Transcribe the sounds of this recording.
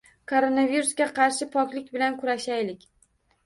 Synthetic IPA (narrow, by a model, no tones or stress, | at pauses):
kʰoɾonaviɾusɡʲaqʰɑɾʃɪpʰɒkʲlɪkʲbɪlankʰʊɾaʃajlɪkʲ